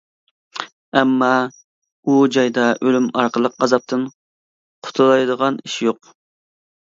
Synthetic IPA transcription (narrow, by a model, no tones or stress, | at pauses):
ɛmːɑ | ud͡ʒɑjd̪ɑʔølymɑɾqəlˠəqɑzɑp̚t̪ʰɨn | qʰʊ̥t̪ʰulˠɑjd̪əʁɑniʃjoq